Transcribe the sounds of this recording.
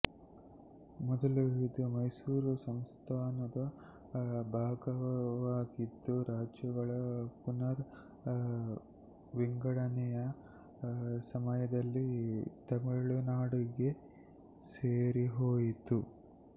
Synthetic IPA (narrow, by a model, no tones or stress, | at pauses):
mɔd̪ɐluɦid̪umɐjsuːɾusɐmst̪ʰaːnɐd̪ɐ | bʱaːɡɐʋaːɡid̪ːuɾaːd͡ʒjɐɡɐɭɐpunɐɾ | ʋiŋɡɐɽɐnɛjɐ | sɐmɐjɐd̪ɐlːit̪ɐmiɭunaːɽiɡe̞ | seːɾiɦoːjit̪u